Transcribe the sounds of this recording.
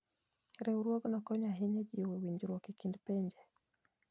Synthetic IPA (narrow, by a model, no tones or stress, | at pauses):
ɾɛuɾwoɡnɔkɔɲaɦɛɲɛd͡ʒiwɛwiɲd͡ʒɾwokikindpɛɲd͡ʒɛ